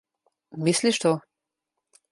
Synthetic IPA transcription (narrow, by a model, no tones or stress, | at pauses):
misliʃt̪o